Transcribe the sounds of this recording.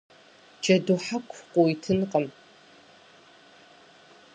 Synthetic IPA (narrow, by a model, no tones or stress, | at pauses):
d͡ʒɐduħakʷʰqʷʼoitʰɨnqʼəm